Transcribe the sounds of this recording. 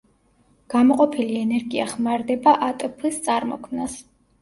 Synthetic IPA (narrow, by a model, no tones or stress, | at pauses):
ɡ̥amɔqʼɔpʰiliɛnɛɾɡia̰χmaɾd̪ɛbaʔat̪ʼpʰlist̪sʼaɾmɔ̰kʰmnas